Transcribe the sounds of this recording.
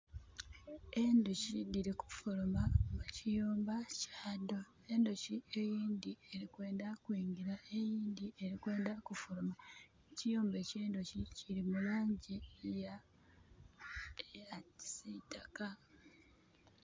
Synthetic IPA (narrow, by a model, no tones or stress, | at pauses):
e̞nduʃidiɾiku̥fulomamucijoːmbacaːdo̞ | e̞nduʃie̞jiːnd̪ieɾikwe̞ːndakwiːŋɡiɾae̞jiːnd̪ie̞ɾikwe̞ːndakufulomaecijoːmbe̞ce̞ːnduciciɾimuloːɲɟija | eai̥sitaka